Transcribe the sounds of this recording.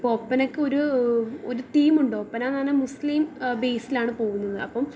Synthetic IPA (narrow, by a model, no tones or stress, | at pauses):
pːoːpːɐnɐkːɨo̞ɾuoɾut̪iːmuɳɖo̞ːpːɐnananɐmusliːmbe̞ːsilaːɳɨpo̞ːɣunːɐðɨɐpːɐm